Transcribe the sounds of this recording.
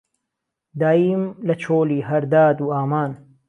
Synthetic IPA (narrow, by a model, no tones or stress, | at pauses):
d̪aːjiːmlɐt͡ʃʰoːliːɦɐɾd̪aːd̪uːaːmaːn